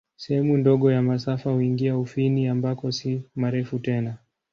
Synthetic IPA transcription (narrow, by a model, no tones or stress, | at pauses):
sɛhɛmundɔɠɔjamasafahuiŋɡiaufiniambakɔsimaɾɛfutɛna